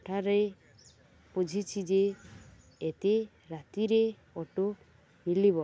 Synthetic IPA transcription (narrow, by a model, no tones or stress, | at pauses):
ʈʰaɾe | pud͡ʒʱit͡ʃʰid͡ʒeː | t̪e | ɾat̪iɾe | ɔʈo | milibɔ